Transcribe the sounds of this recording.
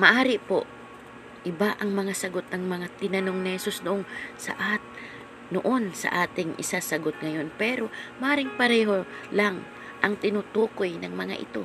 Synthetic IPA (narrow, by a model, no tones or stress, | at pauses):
mɐʔaːɾɪpo̰ʔ | ʔɪbaʔɐŋmɐŋasɐɡo̞t̪̚nɐŋmɐŋat̪ɪnɐno̞ŋnɪhɛsusnʊʔoŋsɐ̰ʔat̪ | noʔonsɐ̰ʔaːt̪ɪŋʔɪ̰sasɐɡot̪̚ŋɐjo̞npɛɾo̞mɐʔaːɾɪŋpɐɾɛːɦo̞laŋ | ʔɐŋt̪ɪnut̪ukojnɐŋmɐŋa̰ʔɪ̰t̪o̞̰